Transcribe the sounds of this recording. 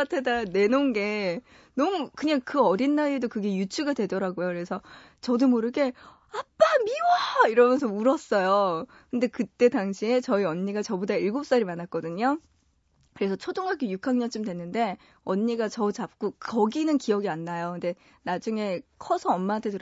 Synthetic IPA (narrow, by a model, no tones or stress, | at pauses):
tʰedane̞nonɡe̞ | nʌmukɯɲaŋkɯʌɾinːaiedokɯɡe̞jut͡ɕʰuɡadwe̞dʌɾaɡojoɯɾe̞sʰʌ | t͡ɕʌdomoɾɯɡe̞ | ap͈amiwaiɾʌmjʌnsʰʌmuɾʌs͈ʌjo | kɯnde̞kɯt͈e̞daŋɕʰie̞t͡ɕʌiʌɲːiɡat͡ɕʌbodaiɭɡop̚s͈ʌɾimanat̚k͈ʌdɯɲo | kɯɾe̞sʰʌt͡ɕʰodoŋɦakijukʰaŋɲʌnt͡ɕ͈ɯmdwe̞nːɯnde̞ | ʌɲːiɡat͡ɕʌt͡ɕap̚k͈ukʌɡinɯnkiʌɡianːajokɯnde̞ | nad͡ʑuŋe̞kʰʌsʰʌʌmmaːntʰe̞dɯɾ